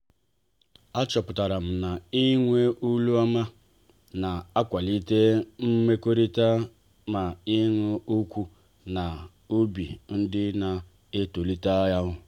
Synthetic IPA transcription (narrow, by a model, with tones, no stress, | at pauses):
a˦t͡ʃɔ˨pʊ˨ta˨ɾa˨m̩˨na˨i˦ŋʷe˦ʔu˦lu˦a˦ma˦ | na˨a˦kʷa˨li˦te˦m̩˦me˦ko˦ɾi˦ta˦ | ma˨ɪ˦ŋʷo˦u˦kʷu˦ | na˨ | u˦bḭ˨n̩˦dɪ˦na˨ | ɪ˦to˨li˦ta˦ja˦ɦʊ˦